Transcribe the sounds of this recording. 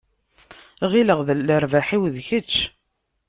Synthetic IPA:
ʁiləʁðəlːəɾvaħiwðçət͡ʃː

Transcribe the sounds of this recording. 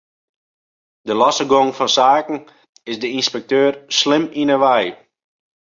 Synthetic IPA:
dəlɔsəɡoŋfɔnsaːkn̩ | ɪsdəinspɛk̚tøːrslɪminəʋɛj

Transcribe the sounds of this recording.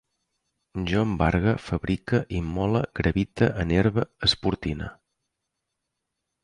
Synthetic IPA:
ʒombaɾɣəfəβɾikəʔimːɔləɡɾəβit̪əʔəneɾβəəspuɾt̪inə̰

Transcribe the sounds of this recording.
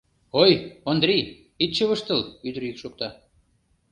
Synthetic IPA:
ojond̪rʲij | it̪ʃəβəʃt̪ə̆lyd̪əɾikʃok̚t̪ɑ

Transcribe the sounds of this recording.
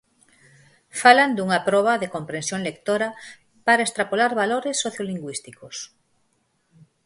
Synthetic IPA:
faland̪uŋapɾɔβ̞ɐðekompɾẽnsjõŋlekt̪oɾa | paɾaest̪ɾapolaɾβaloɾesːoθjoliŋɡwist̪ikos

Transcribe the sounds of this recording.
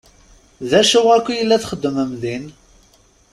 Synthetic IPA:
ðæʃʊʁækʷːijəlːæθχəd̪ːəməmðin

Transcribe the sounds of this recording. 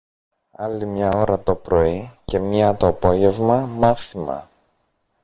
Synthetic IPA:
ɐlimɲɐo̞ɾɐt̪o̞pɾo̞ice̞mɲɐt̪oɐpo̞ʝe̞vmɐmɐθimɐ̰

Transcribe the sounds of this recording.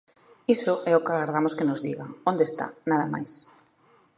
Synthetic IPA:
isʊʔɛʊkaɣaɾðamoskenʊzðiɣaõnd̪est̪a̰naðɐma̰js

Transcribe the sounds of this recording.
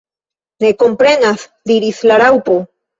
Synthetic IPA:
ɾe̞ko̞mpɾe̞nasd̪iɾislaɾawpo̞

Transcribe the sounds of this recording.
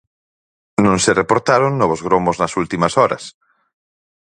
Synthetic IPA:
nõŋserepoɾt̪aɾoŋnɔβ̞ozɣɾomoznɐsult̪imɐsɔɾɐ̰s

